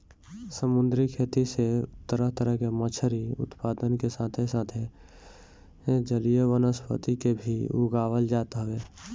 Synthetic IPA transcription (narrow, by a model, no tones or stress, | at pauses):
səmʊ̃nd̪ɾikʰeːt̪iseʊt̪ːəɾəɦt̪əɾəɦkemət͡ʃʰəɾiʊ̰t̪paːd̪ənkesaːt̪ʰesaːt̪ʰe | d͡ʒəlijəʋənəspə̰t̪ikebʱiʊ̰ɡaːʋəld͡ʒaːt̪aɦʋeː